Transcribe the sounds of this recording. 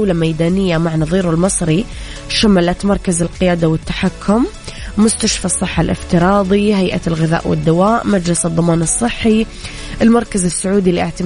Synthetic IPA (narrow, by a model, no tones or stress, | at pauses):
lamajd̪aːnɪjːamaʕnɑðˤiːɾʊlmɨsˤɾi | ʃamalat̪mɑɾˤkazɪlqɪjaːd̪awɪt̪ːaħakʰːʊmː | ʊst̪aʃfasˤːɨħːalʔɪ̰ft̪ɪɾˤɑːd̪ˤiɦajʔalɣɪða̰ːʔwɪ̰d̪ːawaːʔmad͡ʒlɪsɨðˤːɑmɑːnɨsˤːɨħːi | ʔɪlmɑɾˤkazɪsːʊʕuːd̪ilʔɪʕt̪ɪ